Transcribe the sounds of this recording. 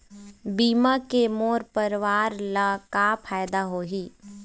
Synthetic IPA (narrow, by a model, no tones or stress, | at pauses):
biːmakemoːɾpəɾʋaːɾlakapʰaːjd̪aɦoːɦiː